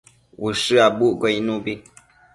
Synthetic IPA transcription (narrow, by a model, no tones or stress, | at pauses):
wuʃɨabuʔɡɔinubi